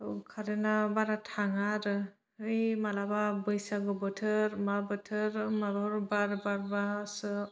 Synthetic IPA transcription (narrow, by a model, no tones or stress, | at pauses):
kʰaɾenabaɾatʰaŋaɾɯ | ɯjmalababɯjsaɡɯbɯtʰɯɾmabɯtʰɯɾmaɾɔɾbaɾbaɾbasɯ